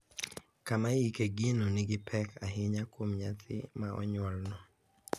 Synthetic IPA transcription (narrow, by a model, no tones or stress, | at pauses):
kamajikeɡɪnonɪɡɪpʰɛkʰaɦɪɲakwomɲat̪ʰɪ̰maɔ̰ɲwɔlnɔ